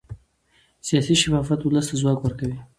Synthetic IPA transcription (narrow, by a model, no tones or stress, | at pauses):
sijɑsiʃafɑfat̪ʊləst̪azwɑkwəɾkawi